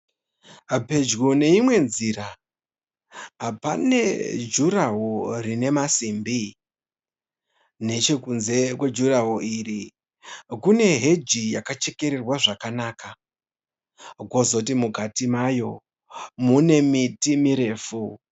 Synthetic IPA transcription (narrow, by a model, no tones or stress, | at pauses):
pe̞d͡ʒɣone̞imwe̞nzira | ɦapanḛd͡ʒuɾaɦorine̞masimbi | ne̞t͡ʃe̞kunze̞kwe̞d͡ʒuraɦoiri | kune̞ɦe̞d͡ʒijakat͡ʃe̞ke̞ɾerwaʐakanaːka | ɡo̞zo̞t̬imuɡʱatimajo̞ | mune̞mitimiɾe̞ːfu